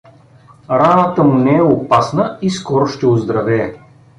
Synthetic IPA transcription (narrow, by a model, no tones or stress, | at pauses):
ɾanət̪əmunɛɛopasnəiskɔɾʊʃt̪ɛʊzd̪ɾɐvɛː